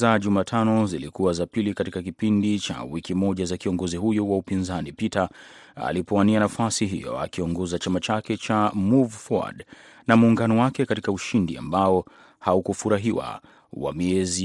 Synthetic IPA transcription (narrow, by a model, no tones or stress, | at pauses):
zaʄumaːtʰanɔzilikuwazapilikatikkak̬ipindit͡ʃa̰wikimɔʄazakiɔŋɡɔziɦujɔwaupinzanipita | a̰lipɔwanianafasiɦḭjɔ̰a̰kiɔŋɡɔzat͡ʃamat͡ʃakɛt͡ʃamuvfɔ̰d | namuːŋɡanɔwakɛkatikauʃindia̰mbaɔ | haukufuɾaɦiwa̰ | wa̰miɛzi